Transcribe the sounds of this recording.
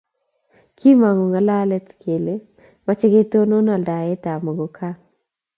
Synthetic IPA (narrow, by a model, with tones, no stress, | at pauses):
kʰi˦ma˨ŋo˨ŋa˨la˦lɛ˦t̪kʰe˨le˦ | ma˦t͡ʃɛ˦ɡe˦t̪o˦no˦na˨lda˨ɛ˦t̪a˨mo˨ɡo˨kʰa˦